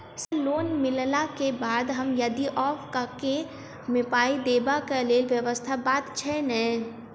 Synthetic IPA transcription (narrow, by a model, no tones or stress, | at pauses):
səloːnmɪllakebaːd̪ɦɐmjɐd̪iʔɔːfkake | mɪpaːid̪eːbakaleːlʋjəʋəst̪ʰabaːd̪t͡ʃʰɛnɛ̃ː